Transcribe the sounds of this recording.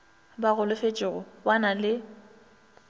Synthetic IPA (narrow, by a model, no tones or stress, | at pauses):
baɣʊlʊfet͡ʃʼɪɣʊbanalɪ